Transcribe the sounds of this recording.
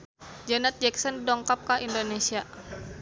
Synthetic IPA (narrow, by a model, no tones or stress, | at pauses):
d͡ʒanat̪̚d͡ʒɛksɔndɔŋkap̚kaʔindonesia